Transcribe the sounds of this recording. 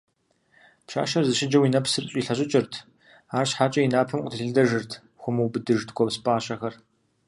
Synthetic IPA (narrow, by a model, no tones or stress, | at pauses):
pɕa̰ːʃɐrzɨɕɪd͡ʒɐwinɐpsɨrɕʼiːɬɐɕʼɪt͡ʃʼɪrtʰ | aːrɕħaːt͡ʃʼɐjinaːpʰɐmqʷʼʊtʰɨɬɨɮdɐʒɨrtʰ | xʷʊmɨwbɨdɨʒtɡʷɔpspʼaːɕʼɐxɐr